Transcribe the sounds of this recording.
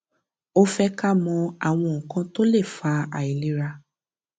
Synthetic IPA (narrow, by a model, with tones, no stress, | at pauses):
o˧fɛ˧ka˦mɔ̃˧a˨w̃ɔ̃˧ŋ̩ɔ˨kã˧to˦le˦˨fa˧a̰˨i˨li˨˦ɾa˧